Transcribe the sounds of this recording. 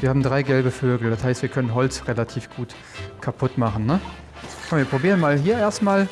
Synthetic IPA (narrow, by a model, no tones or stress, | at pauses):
viɐhaːbm̩dʁaɪɡɛlbəføːɡl̩d̥ashaɪstviːɐkʰœnənɦɔlt͡sʁelatʰiːfɡ̥uːt | kʰapʰʊtmaχn̩nə | mviːɐpʁ̥obiːʁənmaːlɦiːɐʔeːɐstmaːl